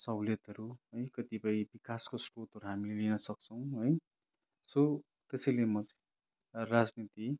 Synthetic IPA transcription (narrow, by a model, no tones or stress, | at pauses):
sʌwlet̪ɦʌɾuɦʌjkʌt̪ipʌĩbikaskosʈot̪ɦʌɾuɦamilelinʌsʌk̚t͡sʰʌw̃ɦʌj | so | t̪esʌjlemʌt͡s | rad͡znit̪i